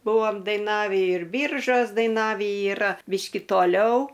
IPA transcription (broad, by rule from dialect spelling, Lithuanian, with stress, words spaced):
ˈbʊʋoːm dɐɪˈnɑːʋʲiː ɪr ˈbʲiːrʒoːs dɐɪˈnɑːʋʲiː iːˈrɐ ˈbʲiːʃʲkʲɪ toːˈlʲɛʊ